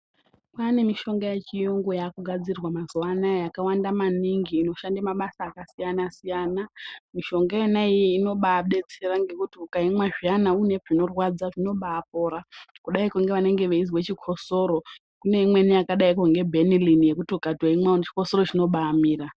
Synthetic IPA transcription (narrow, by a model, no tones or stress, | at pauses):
pane̞miʃo̞ŋɡajet͡ʃijoŋɡo̞jakuɡʱad͡zirwamazuwanajakawandamaniŋɡiːno̞ʃandamaɓasaːkasijanasijanamiʃo̞ŋɡajenaijiːno̞ɓaɓe̞t͡se̞raŋɡe̞kutiukaimwaʐianaune̞ʐino̞rwad͡zaʐino̞ɓaːp̚o̞ɾakuɗaikuŋɡe̞ʋane̞ŋɡe̞ʋeizwet͡ʃikʰo̞so̞ɾo̞ | kune̞imwe̞nijakaɗaikuŋɡe̞bʱe̞nilinije̞kutiukadʱwaimwaunt͡ʃi̥koso̞ro̞t͡ʃino̞ɓaːmiːra